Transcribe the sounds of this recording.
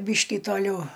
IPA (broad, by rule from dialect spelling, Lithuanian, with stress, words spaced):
ˈbʲiːʃʲkʲiː toːˈlʲɛʊ